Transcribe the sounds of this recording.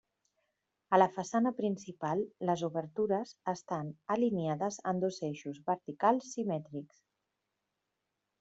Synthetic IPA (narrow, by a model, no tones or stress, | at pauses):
ələfəsanəpɾinsipalˠːəzuβəɾt̪uɾəzəst̪anəliniaðəzənd̪ozeʃuzβəɾt̪ikalˠsːimɛt̪ɾiks